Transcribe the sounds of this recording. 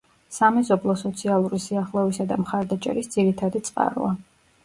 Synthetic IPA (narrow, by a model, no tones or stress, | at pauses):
samɛzɔblˠɔsɔt̪sʰialˠuɾisiaχlˠɔisad̪amχaɾd̪at͡ʃʼɛ̰ɾisd̪z̥iɾit̪ʰad̪it̪sʼqʼa̰ɾṵa